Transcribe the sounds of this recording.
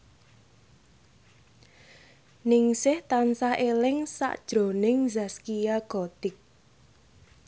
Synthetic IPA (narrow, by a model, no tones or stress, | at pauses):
nɪŋsɪht̪ansahʔelɪŋsa̰ʔd̥ʒ̥ɾo̤nɪŋzaskijaɡ̥ɔt̪ɪk̚